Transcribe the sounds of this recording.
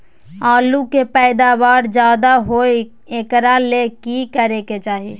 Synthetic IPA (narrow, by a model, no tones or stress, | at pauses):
aːlukepɛɪd̪abaːɾd͡ʒaːd̪aɦoe | ekɾalekikəɾeket͡ʃaːɦi